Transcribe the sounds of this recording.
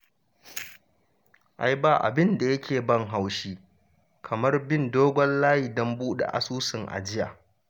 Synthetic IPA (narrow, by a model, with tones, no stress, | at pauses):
ʔa˨jba˨ʔa̰˨bɪ˦nda˨jɐ˦kʲʰeː˨bɐ˦ŋɦa˨wʃiː˦ | kʰɐ˨mɐ˦rbɪ˦ndoː˦ɡʷɔ˦nlaː˦ji˨dɔ˦mbuː˦ɗḛ˨ʔa̰˨suː˦sɪ˨ŋʔa̰˨d͡ʒɪ˦ja̰ː˨